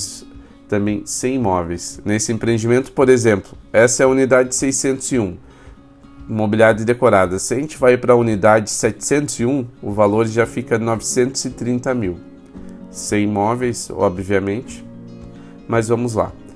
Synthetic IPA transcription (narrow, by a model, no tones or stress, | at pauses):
t̪ɐ̃mbẽj̃sẽj̃imɔvejsnesɪẽmpɾẽnd͡ʒimẽnt̪ʊ̥poɾezẽmplʊɛsɐɛɐunid̪ad͡ʒɪɪsejsẽnt̪ʊziũ | mobiliad͡ʒ̪ɪd̪ekoɾad̪ɐsɪɐʒẽnt͡ʃɪvajipɾɐunid̪ad͡ʒɪsɛt͡ʃɪ̥sẽnt̪ʊziũʊvaloɾʒafikɐnɔvɪsẽnt̪ʊzɪt̪ɾĩnt̪ɐmiw | sẽj̃imɔvejsɔ̰bviɐmẽnt͡ʃɪ̥ | mɐzvɐ̃mʊzla̰